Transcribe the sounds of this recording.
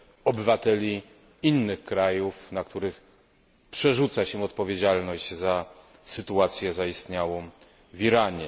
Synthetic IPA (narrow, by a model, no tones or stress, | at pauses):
ɔbɘvat̪ɛlʲi | inːɘxkɾajufnakt̪uɾɘx | pʂɛʐut̪saɕɛ̃ɔt̪pɔvʲed͡ʑalnɔʑd͡ʑza | sɘt̪uat̪sʲjɛzaist̪ɲawɔ̃w̃ | viɾaɲɛ